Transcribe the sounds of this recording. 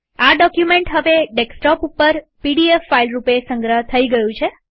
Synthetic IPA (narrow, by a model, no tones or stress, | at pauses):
aɖɔkjumẽɳʈɦəʋeɖeksʈɔpupːəɾpiɖiefːailɾupesəŋɡɾəɦt̪ʰəiɡəjũt͡ʃʰe